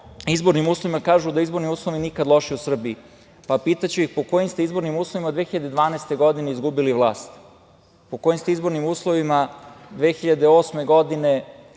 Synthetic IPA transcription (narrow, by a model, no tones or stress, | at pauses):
izbo̞ɾnimuːsloʋimakaːʒud̪aizbo̞ɾniuːsloʋinikad̪lˠo̞ʃiusr̩bii | papiːt̪at͡ɕuixpo̞ko̞jimst̪eizbo̞ɾnimuːslˠo̞ʋimad̪ʋe̞xiʎad̪e̞d̪ʋaːnaest̪e̞ɡo̞d̪ine̞izɡubiliʋlˠaːst̪ | poko̞jimst̪eizbo̞ɾnimuːslˠoʋimad̪ʋexiʎad̪eo̞ːsme̞ɡo̞d̪ine̞